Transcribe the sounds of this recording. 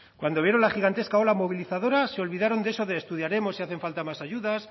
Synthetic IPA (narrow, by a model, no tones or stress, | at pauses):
kwand̪o̞βjeɾo̞nlaxiɣant̪e̞skao̞lamo̞βiliθaðo̞ɾase̞o̞lβiðaɾo̞nd̪e̞so̞ðeːst̪uðjaɾe̞mo̞siaθe̞ɱfalt̪amasaʝuðas